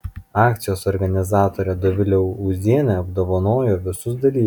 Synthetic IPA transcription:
ɑːkt̪sʲɪjoːsɔɾʲɡɐnʲɪzɑːt̪oːɾʲɛd̪ɔʋʲɪlʲɛʊʊzʲiɛnʲeɐbd̪oːʋɐnoːjoʋʲɪsʊsd̪ɐlʲiː

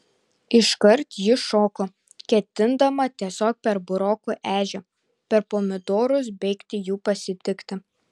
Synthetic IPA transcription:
ɪʃkɐɾt̪jɪʃoːko | kʲɛt̪ʲɪnd̪ɐmɐt̪ʲiɛsʲoːk̚pʲɛɾbʊɾoːkuʔæːʒʲɛ | pʲɛɾpoːmʲɪd̪oːɾʊsbʲɛɪkt̪ʲɪjuːpɐsʲɪt̪ʲɪkt̪ʲɪ

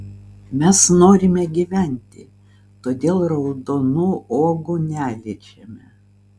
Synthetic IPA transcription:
mʲɛsnoːɾʲɪmʲɛɡʲiʋʲæˑnʲt̪ʲɪ | t̪oːd̪ʲeːlˠɾɐʊd̪oːnuːoːɡʊnʲæːlʲɪt͡ʃʲɛmʲɛ

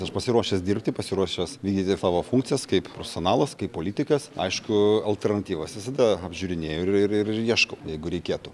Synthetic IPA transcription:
ɐʃpɐsʲɪɾuɔʃʲɛsd̪ʲɪrʲpʲt̪ʲɪpɐsʲɪɾuɔʃʲɛsʋʲiːɡd̪ʲiːt̪ʲɪsɑːʋoːfuŋkt̪t͡s̪ʲɪjɛskɐɪppɾoːfʲɛsʲoːnɑːlˠɐskɐɪpːoːlʲiːt̪ʲɪkɐsɐ̰ɪʃkʊɐlʲt̪ʲɛrnɐt̪ʲiːʋɐsʋʲɪsɐd̪ɐɐbʲʒʲuːɾʲɪnʲeːjoːɪɪrɪrɪjiɛʃkɐʊjɛɪɡʊɾʲɛɪkʲeːt̪ʊ

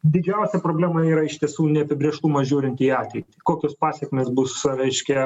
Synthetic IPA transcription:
d̪ʲɪd͡ʒʲɛʊsʲɛpɾoːbʲlʲæːmɐiːɾɐɪʃt̪ʲiɛsuːnʲɛɐpʲɪbʲɾʲiɛʃt̪ʊmɐʒʲuːɾʲɪnʲt̪ʲiːɑːt̪ʲʋʲɛɪt̪ʲɪkoːkʲoːspɑːsʲɛkmʲeːsbʊsɾʲɛɪʃʲkʲɛ

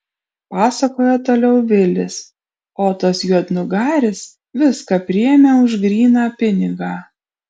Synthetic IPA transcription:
pɑːsɐkoːjɛt̪oːlʲɛʊʋʲɪlʲɪs | oːt̪ɐsjuɔd̪nʊɡɑːɾʲɪs | ʋʲɪskɑpʲɾʲɪjɛmʲeːʊʒɡɾʲiːnɑːpʲɪnʲɪɡɑː

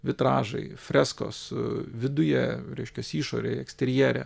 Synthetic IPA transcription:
ʋʲɪt̪ɾɑːʒɐ̰ɪfʲɾʲɛsko̰ːsʋʲɪd̪ʊjɛɾʲɛɪʃʲkʲɛsiːʃo̰ːɾʲeɛksʲt̪ʲɛɾʲɪjɛːɾʲɛ̰

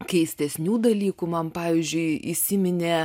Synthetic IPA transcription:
kʲɛɪsʲt̪ʲɛsʲnʲuːd̪ɐlʲiːkumɐnpɑːʋʲiːzʲd͡ʒʲʊɪisʲɪmʲɪnʲeː

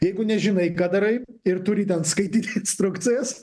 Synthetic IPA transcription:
jɛɪɡʊnʲɛʒʲɪnɐɪkɑːd̪ɐɾɐɪɪɾt̪ʊɾʲɪt̪ʲɛnskɐɪt̪ʲiːt̪ʲeɪnst̪ɾʊkt̪sʲɪjɛs

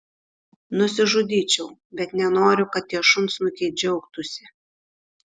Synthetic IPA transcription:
nʊsʲɪʒʊd̪ʲiːt͡ʃʲɛʊbʲɛt̪nʲɛnoːɾʲʊkɐt̪̚ːʲiɛʃʊntsnʊkʲɛɪd͡ʒʲɛʊkt̪ʊsʲɪ

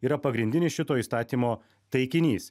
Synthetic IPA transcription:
iːɾɐpɐɡɾʲɪnd̪ʲɪnʲɪsʃʲɪt̪oːiːst̪ɑːt̪ʲiːmoː | t̪ɐɪkʲɪnʲiːs

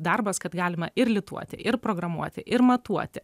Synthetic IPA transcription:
d̪ɐrbɐskɐt̪ɡɑːlʲɪmɐʔɪɾlʲɪt̪ṵɔt̪ʲɪ̰ʔɪɾpɾoːɡɾɐmuɔt̪ʲɪʔɪɾmɐt̪uɔt̪ʲɪ

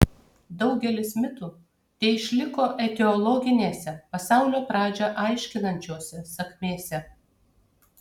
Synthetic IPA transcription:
d̪ɒʊɡʲɛlʲɪsmʲɪt̪uː | t̪ʲɛɪɪʃʲlʲɪkoːʔɛt̪ʲɛɔlˠɔɡʲɪnʲeːsʲɛpɐsɑˑʊlʲoːpɾɑːd͡ʒʲɛʔɑɪʃʲkʲɪnɐnʲt͡ʃʲuɔsʲɛsɐkʲmʲeːsʲɛ

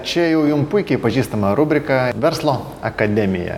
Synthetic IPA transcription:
t͡ʃʲɛjɛʊjʊmpʊɪkʲɛɪpɐʒʲiːst̪ɐmɐɾʊbʲɾʲɪkɐʋʲɛɾslˠoː | ɐkɐd̪ʲɛmʲɪjɛ̰

